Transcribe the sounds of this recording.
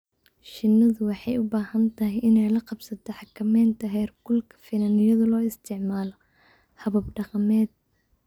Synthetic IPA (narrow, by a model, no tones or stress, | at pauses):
ʃɪnːɐðʊwɑħɑjʊbaːhɐnt̪ʰɐɦɪjɪnɛjlɐqɑbsɐt̪ʰɔħɑkʰɐmɛːnt̪ʰɐɦɛːrɡʊlkʰɐ̥fɪnanɪjɐðɐlɔːɪst̪ʰɪʕmaːlɔ | hɐβɐbɖɑqɑmɛːd̪̚